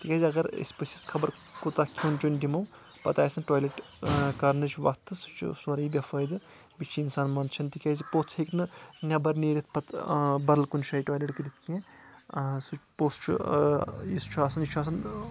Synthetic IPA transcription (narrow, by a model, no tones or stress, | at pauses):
t̪ikʲaːziɐɡɐɾḛspəsiskʰɐbɐɾ | kut̪akʲʰunt͡ʃundimɐw | pɐt̪aːjsɐnʈoːjleʈ | kɐɾnɨt͡ʃʰʋɐkt̪ʰːɨsu̥t͡ʃʰsɐɾibʲɐfəjd̪ɨ | bit͡ʃʰiinsaːnmɐnd̪t͡ʃʰɐnt̪ikʲazipoːt͡sʰheknɨnʲɐbɐɾneːɾʲit̪̚ʰpɐt̪bɐɾlkunʃaːiʈoːjleʈkiɾit̪̚ʰkẽ | sut͡ʃpoːst͡ʃʰṵ | jist͡ʃʰuaːsɐnjit͡ʃʰaːs̬ɐn